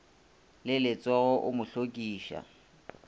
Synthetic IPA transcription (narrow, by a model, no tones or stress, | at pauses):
lɪlɪt͡sʼɔɣɔʔʊmʊɬokʼiːʃa̰